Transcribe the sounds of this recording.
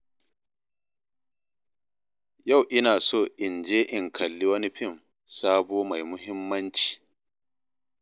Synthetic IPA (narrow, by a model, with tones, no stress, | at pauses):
ja˦˨wʔɪ˦naː˨soː˦˨ʔɪ˨nd͡ʒeː˦ʔɪ˨ŋkʰɐ˨lːi˦wɐ˦ni˦ɸɪ˦˨m | saː˦boː˦ma˨jmʊ˦ɦɪ˦mːɐ˦nt͡ʃi̥ː˨